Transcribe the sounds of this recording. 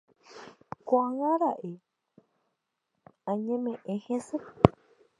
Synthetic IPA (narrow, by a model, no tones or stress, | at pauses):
kʷaŋãɾaʔe | ãɲẽmẽʔẽhẽse